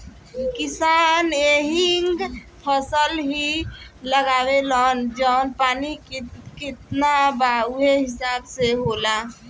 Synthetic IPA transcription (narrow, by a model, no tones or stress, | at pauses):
kɪsaneɦiŋɡ | pʰəsəlɦiləɡaːwelənd͡ʒəʊnpaːnikkɪt̪nabauɦeɦɪsaːbseɦola